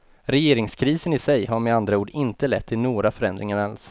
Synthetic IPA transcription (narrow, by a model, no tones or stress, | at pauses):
ɾɛjeːɾɪŋskʰɾiːsənɪsɛjɦaɾmɛand̪ɾauːɖɪnt̪əlɛt̪ʰːɪnoːɡɾafœɾɛnd̪ɾɪŋaɾals